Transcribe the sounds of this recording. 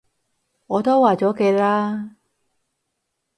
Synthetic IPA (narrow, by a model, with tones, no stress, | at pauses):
ŋɔː˨˧t̪o˥waː˨˩t͡sɔː˨˥ke˨˧laː˥